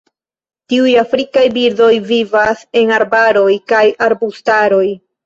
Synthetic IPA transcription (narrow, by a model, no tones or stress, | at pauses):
tiujafɾikajbiɾdo̞jvivase̞naɾbaɾo̞jkajʔaɾbustaɾo̞j